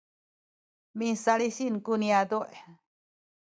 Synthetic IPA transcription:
mĩsalisinkuniad̪uʔe

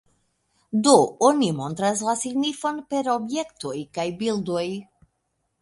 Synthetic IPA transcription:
d̪oonimo̞nt̪ɾas̬lasiɡnifo̞npe̞ɾo̞bje̞kt̪ojkajbild̪oj

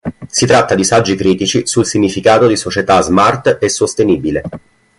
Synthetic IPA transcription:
sit̪ɾat̪ːad̪isad͡ʒːikɾiːt̪it͡ʃisulsiɲːifikaːt̪od̪isot͡ʃet̪azmart̪esost̪eniːbile

